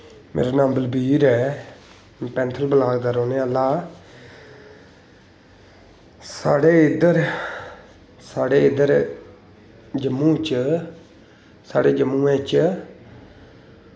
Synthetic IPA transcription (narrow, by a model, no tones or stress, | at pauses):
mḛːɾaːnãːmbəlbiːɾɛː | pɛ̃ːnt̪ʰəlbəlaːɡd̪aːɾoːneːaːlːaː | sa̰ːɽeːɪd̪əɾ | saːɽeːɪd̪əɾ | d͡ʒəmːũːt͡ʃ | saːɽeːd͡ʒəmːũːɛ̃ːt͡ʃ